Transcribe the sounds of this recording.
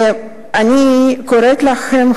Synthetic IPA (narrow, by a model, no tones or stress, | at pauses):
anʲikoɾet̪laxem